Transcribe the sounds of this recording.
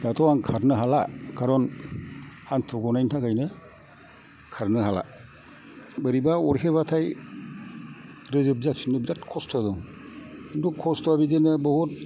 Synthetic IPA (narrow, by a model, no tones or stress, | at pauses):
datʰɔwaŋkʰaɾnɯɦalakaɾɔn | hantʰɔɡɔnajntʰakajnɯ | kʰaɾnɯɦala̰ | bɯɾibaɔɾɦeβatʰaj | ɾɯzɯbzat̚sinɯbzat̚kʰɔstʰɔdɔŋ | ndukʰːɔstʰɔabidenɯbɔhut̚